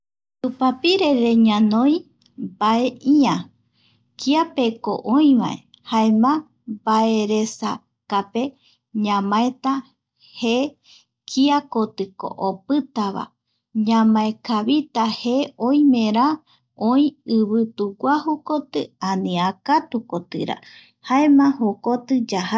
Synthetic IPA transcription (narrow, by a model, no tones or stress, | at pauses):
t̪upapiɾe̞ɾe̞ɲãnõj̃ | baeʔiã | kiapeko̰ʔoĩʋa̰e | haemã | baeɾesa | kape̞ | ɲãmãet̪a | he | kʰiakot̪ɨko̰ʔopɨt̪aβa̰ | ɲãmãekʰaβit̪aheõĩmẽɾa | õĩɨβɨt̪uɡʷahokot̪ɨanĩakat̪ukot̪ɨ̰ɾa̰ | haemãhokot̪ɨd͡ʒaha